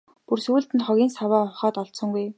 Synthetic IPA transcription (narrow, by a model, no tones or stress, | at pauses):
pursuːɬt̪ɘ̆ntχɔɣʲiːnsawaːʊχaːt̪ɔɮt̪sɞ̆ŋɡuj